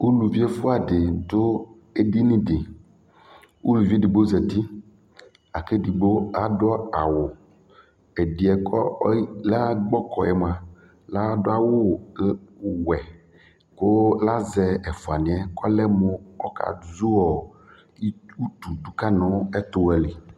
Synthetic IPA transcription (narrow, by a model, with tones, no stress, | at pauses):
u˦lu˨vi˦e˦fʊ˦a˨dɪ˨dʊ˦ | e˦di˦nĩ˦dɪ˨ | u˦lu˨vi˦e˦di˨bo˦zɛ˨t̪i˦ | a˨ke˦di˨bo˦a˦dʊ˦ɔ˦a˨wʊ˨ | ɛ˨di˨ɛ˨kɔ˦la˦ɡ͡bɔ˦kɔ˨ɛ˨m˨ã˨ | la˦dʊ˦a˦wʊ˦˨˦ | wɛ˨ | ko˦la˦zɛ˨ɛ˨fʊ˨a˨nɪ̃˨ɛ˦kɔ˦lɛ˦mʊ˦ɔ˦ka̰˨zu˦ɔ˨˦ | u˦t̪u˨du˦ka˦nɔ̃˦ɛ˦t̪ʊ˦wɛ˨li˨